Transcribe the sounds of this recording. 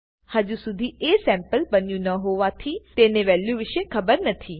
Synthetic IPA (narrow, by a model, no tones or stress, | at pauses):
həd͡ʒusʊd̪ʱieːsɛ̃ːmpəlbɐnijũnɐɦoːʋat̪ʰit̪eːnẽʋɛːljũʋɪʃekʰɐbəɾnɐt̪ʰiː